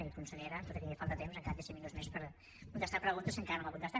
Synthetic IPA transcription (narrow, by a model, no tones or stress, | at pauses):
ikunsəʎeɾəp̪ot̪əɾiefalˠt̪ət̪emzəŋkaɾd̪eseminuzmespəɾ | kunt̪əst̪apɾəɣunt̪əsiəŋkaɾənomakunt̪əst̪a